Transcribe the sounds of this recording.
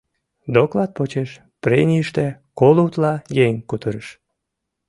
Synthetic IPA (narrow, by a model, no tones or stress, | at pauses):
d̪oklɑt̪̚pot͡ɕeʃ | pɾenʲiəʃt̪ekolut̪lɑjeŋʲkut̪əɾəʃ